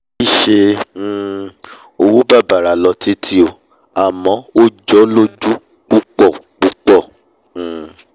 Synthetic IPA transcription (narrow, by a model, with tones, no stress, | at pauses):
i˦˨ʃe˧˦˨ | o˧wu˦ba˦˨ba˨ɾa˨˦lɔ˧˦ti˦tʰi˦o˧ | a˨mɔ̃˨˦o˦d͡ʒɔ˦lo˦d͡ʒu˦ | k͡pu˦k͡pɔ˦˨k͡pu˦k͡pɔ˦˨